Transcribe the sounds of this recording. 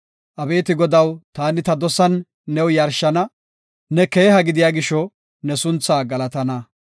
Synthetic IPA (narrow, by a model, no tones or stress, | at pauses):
ʔɐbe̞ːt̪ɪɡɔd̪ɐwt̪aːnɪt̪ɐd̪ɔsɐnː | ɛwjɐɾʃːɐnɐ | nɛkeːɦɐɡɪd̪ɪjaːɡɪʃːɔ | nɛsʊnt͡sːaːɡɐlɐt̪ɐnɐ